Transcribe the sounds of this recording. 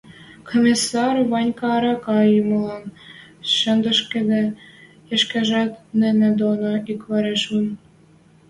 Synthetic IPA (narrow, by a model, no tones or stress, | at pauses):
kʰomʲisːɑrβɑnʲkɑːɾɑkɑjumə̆lɑn | ʃə̆nd̪ə̆ʃked̪e | jeʃkæʒæt̪nenĕd̪onoikβɑɾeʃun